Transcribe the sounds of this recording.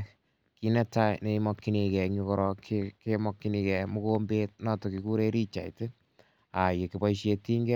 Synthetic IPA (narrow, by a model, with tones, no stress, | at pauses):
ki˦nɛ˦ta˦ne˨˦i˦mɔ˧kːi˦ni˧kɛ˨ɲukɔɾɔkikemɔkːi˦ni˧kɛ˨mu˦kombeːt̚nɔ˦tɔ˨ki˨ku˦ɾe˦ɾi˦t͡ʃa˨ite˦ | a˨je˨ki˨pa˦iʃ̬e˧ti˦ŋɡɛ˦